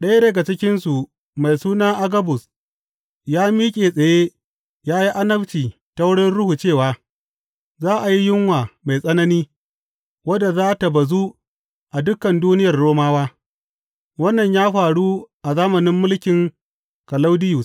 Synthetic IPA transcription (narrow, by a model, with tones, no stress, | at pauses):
ɗɐ˦ja˦dɐ˨ɡa˨t͡ʃɪ˦kʲɪ˦nsu˨ | ma˨jsuː˦naː˦ʔa˦ɡɐ˦bʊ˨s | jaː˦miː˦kʲʼeː˨sʼɐ˨je˦ | jaː˦ji˦ʔa˦nɐ˦ɸt͡ʃiː˨ | ta˨wʊ˦ɽɪ˦nɽʊ˦hu˨t͡ʃeː˦˨waː˨˦ | zaː˦ʔa˨ji˦jɪ˦ŋwaː˨ma˨jsʼɐ˦nɐ˦niː˦ | wɐ˦da˨zaː˦ta˨ba˨zu˦ | ʔa˨dʊ˦kːɐ˨nduː˦nɪ˦jɐ˨rɽoː˦maː˦waː˦ | wɐ˦nːɐ˨ɲjaː˦ɸaː˨ɽu˦ʔa˨zaː˦mɐ˨nɪ˦mːʊ˦lkʲɪ˨ŋ | kɐ˨la˦wdɪ˦jʊ˨s